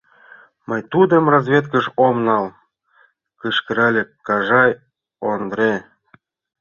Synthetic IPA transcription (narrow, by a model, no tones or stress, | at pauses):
məjt̪ud̪ə̆mrɑzβʲet̪kə̆ʃomnɑl | kəʃkə̆ɾælʲekːɑʒɑj | ond̪ɾe